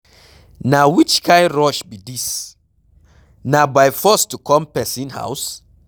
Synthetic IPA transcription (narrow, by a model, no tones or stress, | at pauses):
nawit͡ʃkʰãɪɹɔʃbidis | nabajfɔstukʰɔ̃mpɛsĩnha̰ʊs